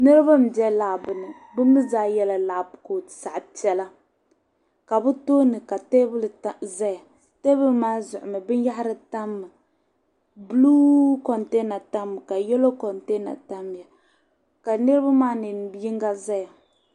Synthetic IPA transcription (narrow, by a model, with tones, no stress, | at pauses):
nɨ˦ɾɨ˦ba˦m̩˨bɛ˦laː˨bɨ˨nɨ˨ | bɨ˦mɨ˦zaː˦jɛ˦la˨la˨pko˨sa˨ʔt͡ʃɛ˦la˦ | ka˨bɨ˦toː˦nɨ˨ka˨te˦bɨ˦lɨ˨˦za˦ja˨ | te˦bɨ˦lmaː˦zʊ˨ʔʊ˨mɨ˨bɨ˦nja˦ha˦ɾɨ˦ta˦mːɨ˨ | blu˦kɔ˨nte˦na˨ta˦mː˨ka˨jɛ˦lo˦kɔ˨nte˦na̰˨ta˦m˨ja˨ | ka˨nɨ˦ɾɨ˦ba˦maː˦nɨ˨n˦bi˦i˦ŋɡa˦za˦ja˨